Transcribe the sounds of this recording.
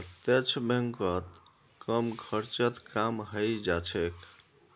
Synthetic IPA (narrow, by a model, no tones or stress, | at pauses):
ət̪jet͡ʃʰbeŋkət̪ | kəmkʰəɾt͡ʃət̪kamɦəjd͡ʒat͡ʃʰek